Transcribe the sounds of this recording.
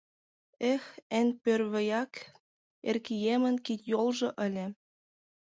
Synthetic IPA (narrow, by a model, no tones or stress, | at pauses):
exenʲpørβɘ̆jɑk | ḛrkijemə̆nkit̪ʲjolʒɤ̆ʔə̆lʲĕ